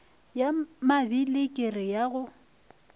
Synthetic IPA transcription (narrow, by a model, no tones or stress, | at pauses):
jamabilɪkʼɪrɪjaɣʊ